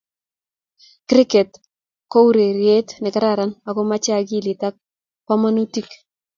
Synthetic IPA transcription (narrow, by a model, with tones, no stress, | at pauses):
kɾɪ˦kɛ˨t | ko˦u˦ɾe˨ɾje˦tnɛ˨ka˦ɾa˨ɾa˦na˨kɔ˦ma˦t͡ʃa˨ɡi˦˨lɪ˨ta˦k̚ | pa˦ma˦nu˦ti˦k